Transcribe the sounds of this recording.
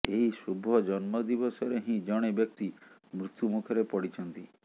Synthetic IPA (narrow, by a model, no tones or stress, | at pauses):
eɦisubʱɔd͡ʒɔnmɔd̪ibɔsɔɾeɦĩd͡ʒɔɽ̃ebjɔk̚t̪imɾut̪jumukʰɔɾepɔɽit͡ʃʰɔnt̪i